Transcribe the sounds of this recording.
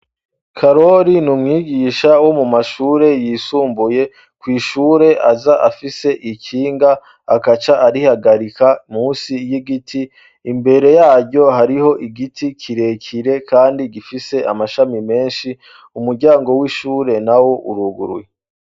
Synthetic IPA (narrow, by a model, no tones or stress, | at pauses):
kʰaɾo̞ɾinumŋiːɡiːʃawo̞mumaʃuːɾe̞jisuːmbuje̞ | kwiːʃuːɾe̞ʔazaʔafise̞ʔicʰiːŋɡaː | kat͡ʃaʔaɾihaɡaɾikamuːnsijiɡitʰiː | mbe̞ɾe̞jaːɟo̞ɦaɾiho̞ʔiɡitikʰiɾe̞cʰiɾe̞kʰaːndiɡifise̞ʔamaʃamime̞ːnʃi | umuɾɟaːŋɡo̞wiʃuːɾe̞nawo̞ʔṵɾuɡṵɾje